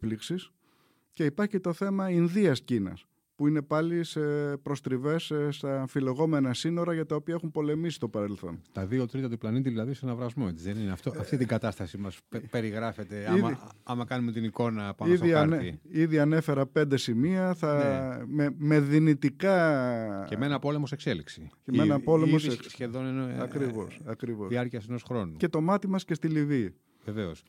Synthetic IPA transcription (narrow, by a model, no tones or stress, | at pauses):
pliksis | ce̞ipɐɾçit̪o̞θe̞mɐinðiɐscinɐ̰s | puine̞pɐlisepɾo̞st̪ɾive̞sst̪ɐfile̞ɣo̞me̞nɐsino̞ɾɐʝɐt̪ɐopiɐexumpo̞le̞misi̥st̪o̞pɐɾe̞lθo̞̰nt̪ɐðiot̪ɾit̪ɐt̪uplɐnit̪̬iðilɐðisenɐvɾɐzmo̞et͡siðenineɐft̪oɐft̪it̪iɡɐt̪ɐst̪ɐsimɐspe̞ɾiɣɾɐfe̞t̪eɐimɐɐmɐkɐnume̞t̪iniko̞nɐpɐnsðiɐɐɾniiðiɐne̞fe̞ɾɐpe̞nd̪e̞simiɐθɐmeme̞ðinit̪ikɐ | cemenɐpo̞le̞mo̞se̞kse̞liksi̥cemenɐpo̞lemossçeðonenoɐkɾivo̞sɐkɾivo̞siɐɾciɐseno̞sxɾo̞nuce̞t̪o̞mɐt̪imɐsce̞st̪iliviː | veve̞os